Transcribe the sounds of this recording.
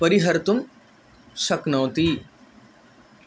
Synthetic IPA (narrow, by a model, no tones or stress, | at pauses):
pɐɾiɦɐɾt̪um | ʃɐknɐːt̪i